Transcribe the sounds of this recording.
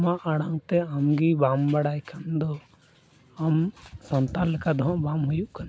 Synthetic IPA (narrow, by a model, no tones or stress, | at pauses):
maʔaɽaŋt̪ɛamɡibambaɽajkʰand̪ɔ | amsɔnt̪alɛkad̪ʱɔ̃ʔbamɦujuʔkʰan